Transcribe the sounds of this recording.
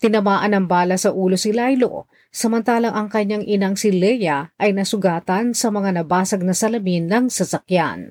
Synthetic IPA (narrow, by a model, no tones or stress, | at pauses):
t̪ɪnɐmaːʔɐnɐŋbaːlɐsɐʔuːlosɪlajlo̰ | sɐmɐnt̪aːlɐŋʔɐŋkɐɲːaŋʔɪnɐŋsɪlɛjɐʔɐjnɐsʊɡaːt̪ɐnsɐmɐŋanɐbaːsɐɡ̚nɐsɐlɐminːɐŋsɐsɐkja̰n